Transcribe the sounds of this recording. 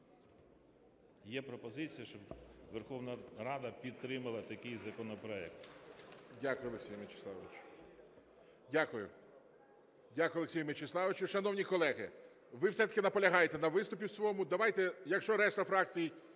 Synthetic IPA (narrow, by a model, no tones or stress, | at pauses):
jɛpɾɔpɔzɪt͡sʲijɐʃt͡ʃɔbʋerxɔwnɐɾɑd̪ɐpʲit̪ːɾɪmɐlˠɐt̪ɐkɪjzɐkɔnɔpɾɔɛk̚t̪ | dʲakʊjʊɔlˠeksʲijɐmɪt͡ʃe̥sˠɑ̰ʋʋɪt͡ʃ | dʲakʊjʊ | dʲakʊjɔleksʲijʊmɪt͡ʃeslˠɑʋɪt͡ʃʲʊʃɐnɔwnʲikɔlˠɛɦɪ̰ | ʋɪwsɛt̪ɐ̥kʲɪnɐpɔlʲɐɦɑjet̪ɛnɐʋɪst̪ʊpʲiwsʲʋɔmʊd̪ɐʋɑjt̪ɛjɐkʃt͡ʃɔɾɛst̪ɐfɾɑk̚t͡sʲiji